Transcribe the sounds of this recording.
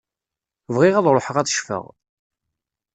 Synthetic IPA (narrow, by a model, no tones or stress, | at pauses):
vʁɪʁæðˤɾˤoħəʁæθʃfə̰ʁ